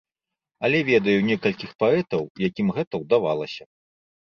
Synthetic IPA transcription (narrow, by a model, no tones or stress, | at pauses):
ɐlʲɛvʲɛd̪ɐjunʲɛkɐlʲkʲixpaɛt̪ɐwjakʲimɣɛt̪ɐwd̪ava̰lˠɐsʲɐ